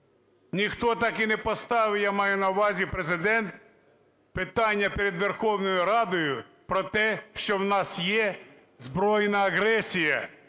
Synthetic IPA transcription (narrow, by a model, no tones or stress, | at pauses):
nʲixt̪ɔt̪ɑkinɛpɔst̪ɑʋɪjamɑjʊnɐwʋɑzʲipɾezɪd̪ɛnt̪ | pɪt̪ɑnʲːɐpeɾʲed̪ʋerxɔwnɔjʊɾɑd̪ɔjʊ | pɾɔt̪ɛʃt͡ʃɔwnɑsjɛ | zbɾɔjnɐːɦɾɛsʲijɐ